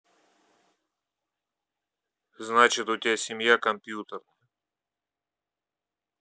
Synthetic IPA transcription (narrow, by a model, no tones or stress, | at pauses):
znat͡ɕɪt̪ʊt̪ʲɪasʲɪmjakɐmpʲjut̪ərnəjə